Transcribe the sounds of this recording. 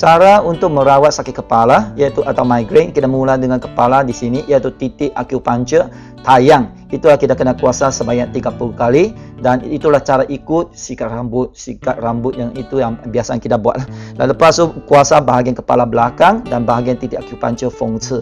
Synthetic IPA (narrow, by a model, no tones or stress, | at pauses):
t͡ʃaɾaunt̪ʊk̚mə̃ɾawat̪̚sakɪt̪̚kəpalaijat̪uʔat̪awmajɡɾet̪̚kidaʔmuladəŋãnkəpaladisiniʔijat̪ut̪it̪ɪʔakjupaɲt͡ʃə | t̪ajaŋ | it̪ulahkidakənakuasasəbaɲaʔt̪iɡapulukali | danit̪ulaht͡ʃaɾaʔikʊt̪̚sikat̪rambʊt̪̚sikat̪̚rambʊt̪̚jaŋit̪ujaŋbiasaankidabua̰t̪̚lahdaləpasukuasabaɦaɡiankəpa̰labəlakaŋdanbaɦaɡiant̪it̪ɪʔakupa̰ɲt͡ʃəfɔŋsə